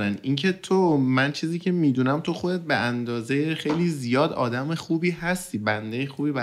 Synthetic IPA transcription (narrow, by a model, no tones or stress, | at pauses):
ænʔincʰe̞t̪ʰomænt͡ʃʰiːziːcʰe̞miːd̪uːnæmt̪ʰo̞xod̪e̞t̪̚beʔænd̪ɒːzejexe̞jliːzijɒːd̪ɒ̰ːd̪æmexuːbiːhɦæst̪iːbænd̪ejexuːbiːbæ